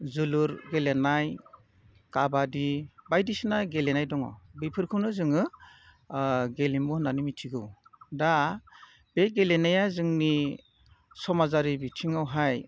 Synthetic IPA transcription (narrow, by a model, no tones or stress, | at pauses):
zɯluɾɡelenaj | kabadibajdisɯnajɡelenajdɔŋɔ̰bipʰɯɾkʰɯwnɯzɯŋɯ | ɡelimbunanimitʰiɡɯwda | beɡelenajazɯŋni | sɔmazaɾibitʰiŋawɦaj